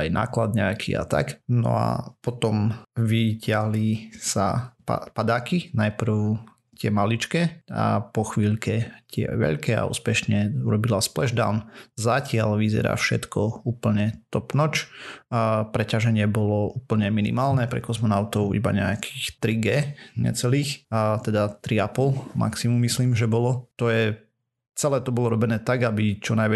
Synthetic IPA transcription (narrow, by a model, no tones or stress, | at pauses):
ajnʔa̰ːklad̪̚ɲɛakʰḭa̰t̪a̰knɔ̰a̰pɔt̪ɔmʋiɟɪaɦlisa̰pa̰pad̪aːkinajpr̩ʊ | t̪ɪɛmalit͡ʃkɛa̰pɔxʋiːʎkɛt̪ɪɛ̰ʋɛ̰ʎkɛa̰ṵːspɛʃɲɛuɾɔbilasplɛʒd̪a̰ʊnzacɪalʋizɛ̰ɾa̰ːfʃɛ̰t̪kʰɔuːpl̩ɲɛt̪ɔpnɔt͡ʃ | pɾɛcaʒɛɲɪɛbɔlɔuːpl̩ɲɛminḭmaːlnɛpɾɛ̰kɔzmɔnaʊt̪ɔʊʔḭba̰ɲɛ̰akʰi̥xt̪ɾiɡɛːɲɛ̰t͡sɛliːxt̪ɛd̪at̪ɾiapɔlma̰ksimumːisliːmʒɛbɔlɔt̪ɔjɛ | t͡sɛlɛːt̪ɔbɔlɔɾɔbɛnɛːt̪aɡabit͡ʃɔnajʋɛ